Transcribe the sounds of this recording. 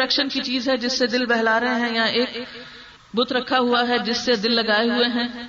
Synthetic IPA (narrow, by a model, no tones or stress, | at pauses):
ɛkʃənkit͡ʃiːzɦɛd͡ʒɪsːed̪ɪlbɛɦlaːɾɐɦẽɦɛ̃jaʔeːk | bʊt̪ɾɐkʰːaɦʊaɦɛd͡ʒɪsːed̪ɪlːɐɡaːeɦʊeɦɛ̃ː